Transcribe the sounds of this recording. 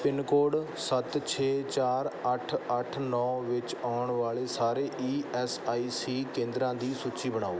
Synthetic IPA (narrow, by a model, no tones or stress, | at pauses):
pɪnkoːɖ | sət̪t͡ʃʰeːt͡ʃaːɾəʈʰəʈʰnɔːʋɪt͡ʃaːɳʋaːɭeːsaːɾeːʔiːɛːsaːiːsiːkẽːnd̪ɾãːd̪iːsuːt͡ʃiːbəɳ̃aːoː